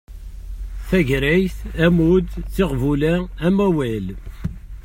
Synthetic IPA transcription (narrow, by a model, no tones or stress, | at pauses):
θæʝɾæjθæmud̪θiʁvulææmæwæl